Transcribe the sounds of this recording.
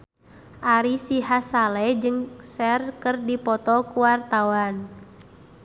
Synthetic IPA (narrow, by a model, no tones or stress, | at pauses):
ʔaɾisiɦasalɛd͡ʒɨŋsɛrkɨrdipɔt̪ɔkuwart̪awan